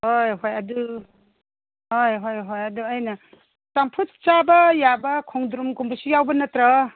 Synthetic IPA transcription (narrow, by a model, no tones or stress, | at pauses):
hojɦojɐdu | hojɦojɦojɐduajnɐ | tampʰut̚t͡ʃabɐjabɐkʰɔŋd̪ɾumkumbʰusijawbɐnɐt̪ɾɐ